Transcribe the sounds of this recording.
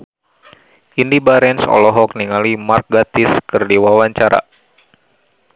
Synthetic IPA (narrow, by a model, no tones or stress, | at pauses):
ʔindibaɾɛnsɔ̰lɔɦɔk̚niŋalimark̚ɡat̪iskɨrdiwawaɲt͡ʃaɾa̰